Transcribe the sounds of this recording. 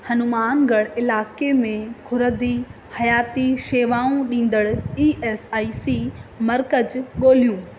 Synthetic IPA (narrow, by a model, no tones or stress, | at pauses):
hɐnʊmaːnɡʱɐɽ̃ɪlaːkemẽkʰʊɾəd̪ihɐjaːt̪iʃeːʋaːũɗĩːn̆d̪əɽiːʔeːsaːisiːmɐɾkəd͡ʑɠoːl̤ijũː